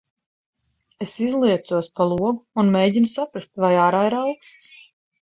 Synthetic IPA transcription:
esizlˠiɛt̪suɔspalˠuɔɡuːnmeːɟinusapɾast̪vajaːɾaːiɾawkst̪s

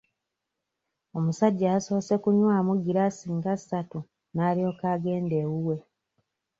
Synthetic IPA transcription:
o̞musaɟːasose̞kuɲwaːmuɡiɾasiːŋɡasatu | naːlio̞ːkaːɡe̞ːndeːɣuwe̞

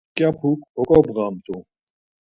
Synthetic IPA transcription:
kjapʰukɔkʼɔbʁamt̪o

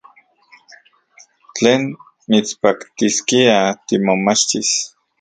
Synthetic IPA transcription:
t͡ɬeːn | mit͡spakt̪iskiat̪imomat͡ʃt̪is

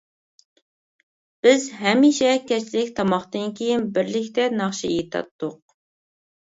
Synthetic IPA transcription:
b̥ɪzɦɛmiʃɛkʲɛt͡ʃʰlɪk̚ʲt̪ʰɑmɑχt̪ɨnkʲʰejinbɪɾlɪkʲt̪ɛnɑχʃijit̪ʰɑ̰t̪ːʊq̚

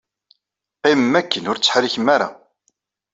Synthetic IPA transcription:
qimmːækːənʊɾt͡sːə̥ħɾiçəmːaɾa̰

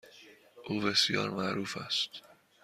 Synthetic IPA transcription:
ʔuːbe̞sjɒ̰ːɾmæɾuːfæst̪

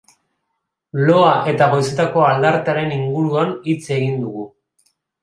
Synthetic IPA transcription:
lo̞aʔe̞t̪aɣo̞jset̪ako̞ald̪aɾt̪aɾe̞niŋɡuɾuanit͡se̞ɣind̪uɣu

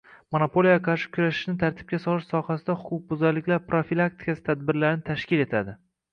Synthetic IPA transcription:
monopʰo̞lˠijaqʰɑɾʃɪ̥kʲʰʊɾaʃɪ̥ʃnɪt̪ʰaɾt̪ʰɪ̥b̚kʲasɒlˠɪʃsɒhasɪd̪ahʊqʰʊq̚bʊzaɾlɪkʲlaɾpɾofilˠak̚t̪ʰɪ̥kʲasɪ̥t̪ʰad̪̚bɪɾlaɾɪnɪt̪ʰaʃkʲɪle̞t̪ʰad̪ɪ

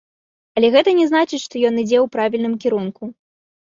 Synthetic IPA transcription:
ɐlʲɛɣɛt̪ɐnʲɛznat͡ʂɨt͡sʲʂt̪ɔjɔnid͡zʲɛwpɾavʲilʲnɨmkʲɛɾunku

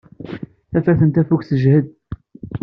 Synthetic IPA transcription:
θæfæɾθənt̪æfukθəʒhəd̪̚

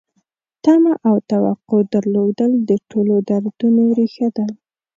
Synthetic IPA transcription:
t̪amaʔawt̪awaqod̪əɾlod̪əld̪əʈʰolod̪aɾd̪unoɾixad̪a

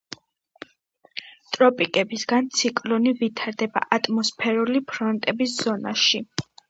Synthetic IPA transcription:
t̪ʼɾɔpʼikʼɛbisɡant̪sʰikʼlɔnivit̪ʰaɾd̪ɛba̰ʔat̪ʼmɔspʰɛɾulipʰɾɔnt̪ʼɛbisz̥ɔnaʃi

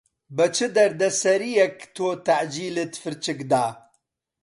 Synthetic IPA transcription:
bət͡ʃʰɨd̪ɐɾd̪ɐsɐɾijɛkt̪ʰoːt̪aʕd͡ʒiːlɨt̪fɨɾt͡ʃɨkd̪aː

